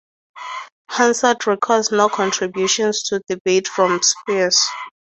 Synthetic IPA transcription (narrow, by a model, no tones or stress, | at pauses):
hãnsətɹikʰɔznokʰɔ̃ntʰɹibjuʃɔ̃nstʰudibetfɹɔ̃mspis